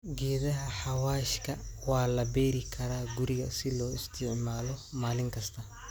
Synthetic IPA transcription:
ɡɛːðɐɦɐħɑwaːʃkʰɐwɑːlɐbɛːɾɪkʰɐɾaːɡʊɾɪɣɐ̰sɪlɔːɪst̪ʰɪʕmaːlɔmaːlɪŋkʰɐst̪ʰɐ

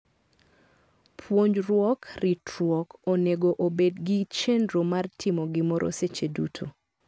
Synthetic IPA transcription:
pʰwoɲd͡ʒɾwɔkritɾwɔkoneɡoʔobedɡɪt͡ʃendɾomartʰɪmɔɡɪmɔɾʔo̰set͡ʃedutʰo

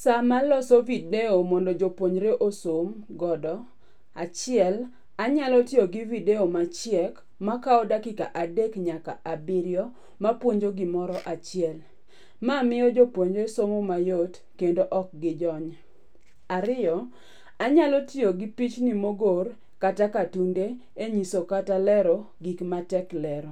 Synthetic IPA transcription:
samalɔsɔvideomɔndɔd͡ʒopwoɲɾeʔosomɡɔdɔ | at͡ʃɪɛl | aɲalɔtjoɡivideomat͡ʃɪjɛk | makaɔdakɪka̰ʔadekɲakaʔabɪɾjɔ | mapwoɲd͡ʒoɡɪmɔɾɔʔat͡ʃɪɛl | mamɪɔd͡ʒopwoɲd͡ʒoesomomajot | kendoʔɔk̚ɡɪd͡ʒɔɲ | aɾɪjɔ | aɲalɔtioɡɪpit͡ʃnimoɡor | katakatunde | eɲisokatalɛɾɔ | ɡikmatɛklɛɾɔ

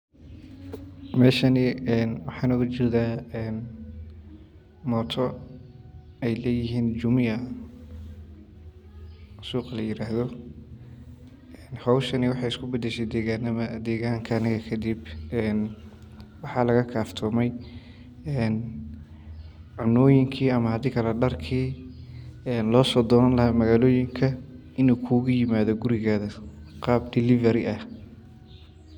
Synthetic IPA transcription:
mɛːʃɐnɪɛnwɑħɑːnɔɣɐt͡ʃɔːðaːɛːn | mɔːt̪ʰɔ | ɛjlɛːjɪɦiːnd͡ʒʊmɪɐ | suːqlɐjɪɾaːɦðɔ | ɛːnhɐwʃɐnɪwɑħɑjɪskʰʊbɐd̪ɛʃɛjd̪ɛːɣaːnɐmɐd̪ɛːɣaːŋkʰɐːnɪɣɐkʰɐd̪ibɛːn | wɑħɑːlɐɣɐkʰaːft̪ʰɔːmɛj | ɛːn | ʕʊnɔːjɪŋkʰiːɐmɐhɐd̪iːkʰɐlɐɖɐrkʰiː | ɛːnlɔːsɔd̪ɔːɐnlɐɦamɐɣaːlɔːjɪŋkʰɐ | ɪnuːkʰuːɣʊjɪmaːðɔɡʊɾɪɣaːðɐqɑːbd̪ɪlɪvɐɾɪʔɐh

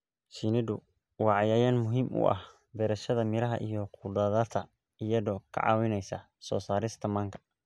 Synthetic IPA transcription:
sinɪd̪ʊ | wɑːʕɑjaːjaːnmʊɦiːmʔʊ̰ʔɐ̰h | bɛɾɐʃɐðɐmɪɾɐɦɐ̰ʔijɔqʰʊːdɐðɐt̪ʰɐ | ijɐðɔːkʰɐ̰ʕɑ̰ːwɪnɛjsɐ | sɔ̰ːsaːɾɪst̪ʰɐmɐːŋkʰɐ̥

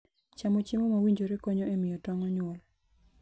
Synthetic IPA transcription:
t͡ʃamot͡ʃimomawiɲd͡ʒoɾekɔɲɔemɪjɔtɔŋɔɲwɔl

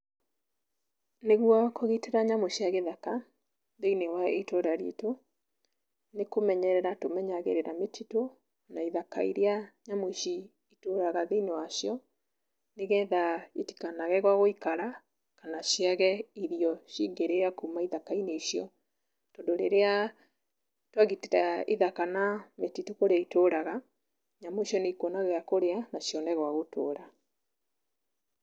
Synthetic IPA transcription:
neɣwakoɣiteɾaɲamoɕiaɣeðaka | ðeinewaitoɾaɾiḛto | nekomɛɲɛɾɛɾatomɛɲaɣḛɾeɾametito | naiðaka̰ḭɾeaɲamoɕi | itoɾaɣaðeinewaɕjɔ | neɣɛðaeti̥kanaɣɛɣwaɣoikaɾa | kanaɕiaɣɛiɾiɔɕiŋɡeɾeakumaiðakaineiʃjɔ | tɔndoɾeɾea | twaɣiteɾaiðakanametitukoɾeaitoɾaɣa | ɲamoʃɔneikonaɣɛakoɾeanaɕjɔnɛɣwaɣoto̰ːɾa

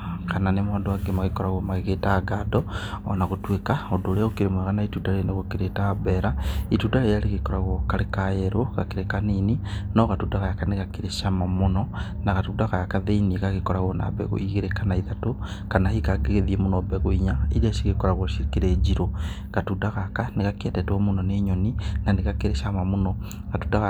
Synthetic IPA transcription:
kananemwaːndowaɡemaɣekɔɾaɣwomaɣeɣetaɡadɔ̰ːnaɣotwekaodoleɣokiɾemweɣanaitudaleneɣokiɾetabeɾaitudaejaleɣekoɾaɣwokalekajeɾʔokakiɾekanininɔɣatudaɣajakaneɣakiɾeʃamamonɔnaɣatudaɣajakaðeineɣaɣekoɾaɣona̰bḛɣo̰iɣeɾekanaiðatokanahikaɡeɣeðiemonobeɣoiɲaiɾeʃiɣekoɾaɣwoʃikiɾed͡ʒiɾo | ɣatudaɣakaneɣakietetomunoneɲoninaneɣakeɾeʃamamono | ɣatudaɣa

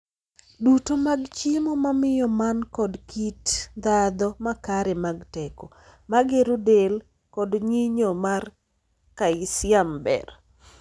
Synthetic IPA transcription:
dutomaɡt͡ʃimomamɪjɔmankɔdkitd̪ad̪ɔmakaɾemaɡtɛkɔ | maɡeɾodel | kɔdɲiɲomar | kaɪsɪambɛ̰r

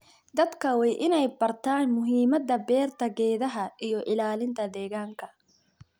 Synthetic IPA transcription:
d̪ɐd̪kʰɐwɛjʔɪnɛjbɐrt̪ʰaːnmʊɦiːmɐd̪ɐbɛːrt̪ʰɐɡɛːðɐɦɐʔijɔʔɪlaːlɪnt̪ʰɐd̪ɛːɣaːŋkʰɐ

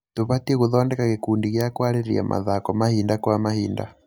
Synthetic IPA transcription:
toβatiɛɣuðɔːndɛkaɣekuːndiɣjakwaɾeɾia̰mʔa̰ðakɔmahindakwamahiːnda̰

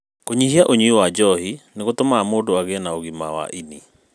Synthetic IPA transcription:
koɲihiaʔoɲuiwad͡ʒɔhineɣotomaːmoːdoaɣeɛnaoɣima̰wa̰ʔini

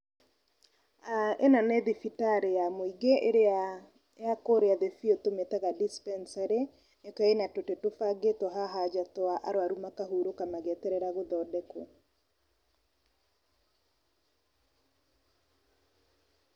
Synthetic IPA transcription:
aḛnanɛðifitaɾejamoiɡeɾ | akoɾeaðefiotometɛɣadispɛnsaɾe | nekaenatotetofaɡetoɦaɦad͡ʒatwaʔaɾoaɾumakaɦuɾokamaɣɛtɛɾɛɾaɣoðɔdɛko

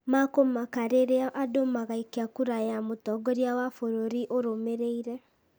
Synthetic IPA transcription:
makomakaɾeɾeaʔadomaɣaikeakuɾajamotɔɡɔɾjawafoɾoɾiʔoɾomeɾeiɾɛ

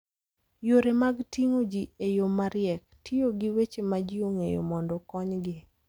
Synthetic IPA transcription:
joɾemaɡtiŋod͡ʒiejomaɾɪɛk̚tʰɪoɡɪwet͡ʃemad͡ʒɪoŋejo̰mɔndɔkɔɲɡɪ

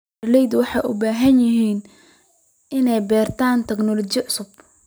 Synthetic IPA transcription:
rlɛjd̪wɑħɑjʔʊ̰baːɦɐnjɐɦiːn | ʔɪnɛjbɛːrt̪ʰaːnt̪ʰɛɡnɔlɔt͡ʃɪʕʊsʊb

